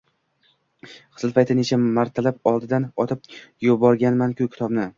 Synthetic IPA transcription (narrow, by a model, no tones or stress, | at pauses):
qʰɨslˠpʰajt̪ɪne̞t͡ʃʰamaɾt̪ʰalapɒlˠd̪ɪd̪anɒt̪ʰɪp̚jʊbɒɾɡʲanmankʰʲʊkʲɪ̥t̪ʰɒbnɪ